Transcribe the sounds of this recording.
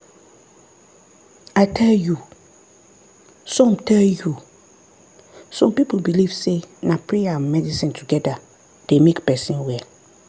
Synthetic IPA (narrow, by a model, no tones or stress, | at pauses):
aɪtʰɛlju | sɔ̃mtʰɛlju | sɔ̃mpipl̩biliv̥senapʰɹeamɛdisĩntʰuɡɛda | d̥emekpɛsĩnwɛl